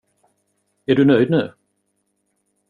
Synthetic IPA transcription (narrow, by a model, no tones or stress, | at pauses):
æɖɵnœʏjd̪̚nʉː